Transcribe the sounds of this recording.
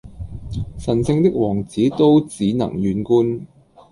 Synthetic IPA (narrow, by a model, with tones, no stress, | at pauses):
sɐ˨˩nsɪ˧ŋt̪ɪ˥k̚wɔː˨˩ŋt͡siː˨˥t̪o˥wt͡siː˨˥nɐ̰˨˩ŋjyː˨˥nkuː˥n